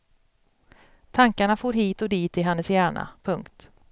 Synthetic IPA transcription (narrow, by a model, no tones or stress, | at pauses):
t̪ʰaŋkaɳafoːɾɦiːt̪ɔd̪iːt̪ɪɦɛnːəsjæːɳa̰pʰɵŋkt̪